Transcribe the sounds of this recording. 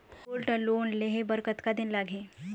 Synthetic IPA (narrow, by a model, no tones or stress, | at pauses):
kulʈəloːnleɦebəɾkət̪kad̪ɪnlaːɡʱeː